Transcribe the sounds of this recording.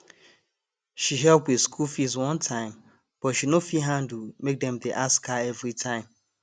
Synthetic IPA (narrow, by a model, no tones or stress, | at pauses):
ʃiɦɛlpwɪðskʰulfizwɔ̃ntʰãɪ̃m | b̥ɔtʃinofiɦãn̩dumek̚dɛ̃mdeʔaskaɛvɾitʰãɪ̃m